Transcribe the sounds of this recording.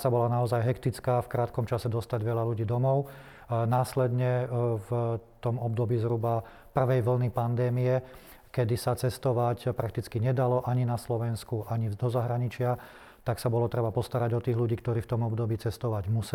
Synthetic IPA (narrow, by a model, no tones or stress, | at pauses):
sabɔlanaɔzajɦɛkt̪it͡skaːfkɾaːt̪kɔmt͡ʃasɛd̪ɔst̪aɟʋɛʎaluɟiːd̪ɔmɔʊ | naːslɛd̪ɲɛvt̪ɔmɔb̚d̪ɔbiːzɦɾuba | pr̩ʋɛjʋl̩nipand̪ɛːmijɛ | kɛd̪isat͡sɛst̪ɔʋacpɾak̚t̪it͡skiɲɛd̪alɔʔaɲinaslɔʋɛnskuʔaɲid̪ɔzaɦɾaɲit͡ʃɪa | t̪aksabɔlɔt̪ɾɛbapɔst̪aɾaɟɔt̪iːɣluɟiːk̚t̪ɔɾiːft̪ɔmɔbd̪ɔbiːt͡sɛst̪ɔʋaɟmus